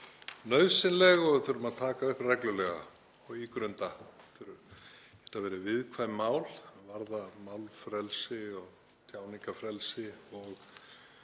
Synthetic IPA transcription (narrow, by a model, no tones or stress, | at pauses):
nœɥðsɪnlɛɣɔɣθʏɾʏmaðt̪ʰaːkaʏhprɛklʏlɛɣa̰ | ɔɣikɾœnt̪aθʏɾʏɛt̪avɛːɾɪvɪðkʰvaːjmmaːwlvaɾðamaːwlfɾɛlsɪɔɣ | t̪ʰjaːwniŋkafɾɛlsɪɔɣ